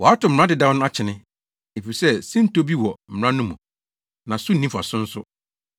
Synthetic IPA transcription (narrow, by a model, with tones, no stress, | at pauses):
wɔ˨a˦tʊ˨m̩˨ã˦dɪ˨dã˦nʊ̃˦a˦t͡ɕʰɪ˨nɪ̃˦ | e˨fi˨sɛ˦sĩ˦n̩˦to˦bi˦wɔ˨m̩˨ɾã˦nʊ̃˦mũ˨ | nã˨sʊ˦nĩ˦fa̰˨sʊ̃˦n̩˦sʊ˦